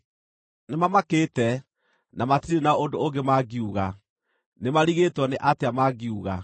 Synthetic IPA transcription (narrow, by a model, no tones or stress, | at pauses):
nemamakeːtɛ | namatiɾenaɔondooɡemaɡiuɣa | nemaɾiɣeːtwɔneʔateamaɡiuɣa